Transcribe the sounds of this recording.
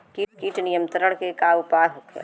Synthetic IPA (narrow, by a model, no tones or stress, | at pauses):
kikiːʈnijəmt̪əɾəɽ̃kekaupaːɾɦokʰḛ